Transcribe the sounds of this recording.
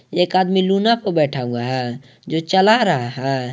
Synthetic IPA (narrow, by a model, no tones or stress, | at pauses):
ekad̪milunapəɾbɛʈʰaũŋɡaɦɛ | d͡ʒot͡ʃəlaɾəɦaɦɛ̃